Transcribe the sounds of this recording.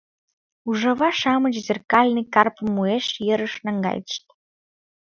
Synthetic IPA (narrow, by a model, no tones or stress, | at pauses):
uʒə̆βɑʃɑmət͡ɕzerkɑlʲnɨkɑrpəmːueʃjə̆ɾəʃnɑŋɡɑ̰jt̪ə̥ʃt̪